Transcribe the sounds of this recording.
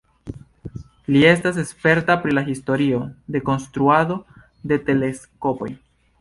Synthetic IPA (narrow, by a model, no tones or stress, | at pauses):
lie̞stas̬e̞spe̞ɾtapɾilaɦisto̞ɾiod̪e̞ko̞nst̪ɾuado̞ | d̪e̞te̞le̞sko̞po̞̰j